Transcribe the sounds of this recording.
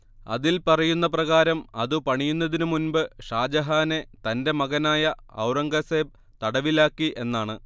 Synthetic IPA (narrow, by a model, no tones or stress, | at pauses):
ɐ̰ðilpɐrɐjunːɐp̬rɐɣaːɾɐmɐðɨpɐɳijunːɐðinɨmunbɨʂaːd͡ʑɐɦaːne̞t̪ɐnde̞mɐɣɐnaːjɐɐ̰wrɐŋɡɐseːb̚ | t̪ɐɽɐʋilaːkːiʔe̞nːaːɳɨ